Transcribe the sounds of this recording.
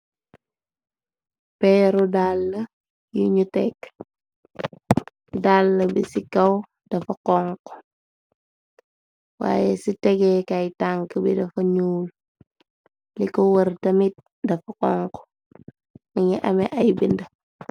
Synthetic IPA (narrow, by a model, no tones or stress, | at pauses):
pɛːɾudalːə | juɲutɛk | dalːɐbisikɐw | d̥ɐfɐkɔŋkɔ̥ | wa̰ːjɛsitɛɡɛkɐjtaŋkəbḭdɐfɐɲuːl | likɔwəɾtɐmit̚ | dɐfɐkɔŋkɔ̥ | mɐŋiʔɐmɛʔɐjbindɐ